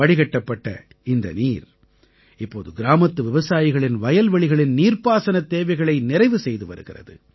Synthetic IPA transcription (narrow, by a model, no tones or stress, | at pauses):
ɐɽɪɣɐʈːɐpːɐʈːɐ̰ | ɪnd̪ɐ̰niːɾ | ɪpːoːðɯɡɪɾaːmɐt̪ːɯʋɪʋɐsaːjɪɣɐɭɪnʋɐjɐlʋɐɭɪɣɐɭɪnniːrpaːsɐnɐt̪ːeːʋɐɪɣɐɭɐɪnɪrɐɪʋɯsɛjðɯʋɐɾɯɣɪrɐ̰ðɯ